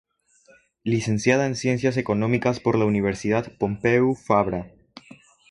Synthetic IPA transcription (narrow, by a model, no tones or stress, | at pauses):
lise̞nsjað̞aensje̞ns̬jas̬e̞ko̞no̞mikaspo̞ɾlauniβ̞e̞ɾsiðad̪po̞mpeufaβɾa